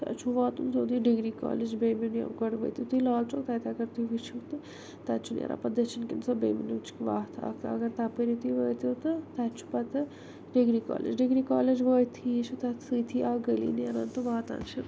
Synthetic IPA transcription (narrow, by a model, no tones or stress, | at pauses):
t̪a̰t͡ʃʰuʋaːt̪unzoːd̪uɖiɡɾiːka̰ːled͡ʒbeːminja̰ɡəɽʋə̰ːjt̪jut̪ujlaːlt͡ʃʰoːt̪at̪ʰiɐɡɐɾt̪ujʋit͡ʃʰut̪ɨ | t̪at͡ʃʰunḛɾa̰pɐd̪ɐt͡ʃʰinkinsobḛːminut͡ʃi̥kʋaːt̪ʰa̰kt̪ʰɐ̰ɡɐɾt̪apəɾit̪ujʋəːjt̪ut̪ɨt̪at͡ʃʰu̥pɐt̪ɨ | ɖiɡɾika̰ːlḛd͡ʒɖiɡɾika̰ːled͡ʒʋəːt̪ʰit͡ʃʰut̪at̪sɨt̪ʰiaɡəlḭːneɾaːnt̪ɨʋaːt̪a̰nt͡ʃʰɐ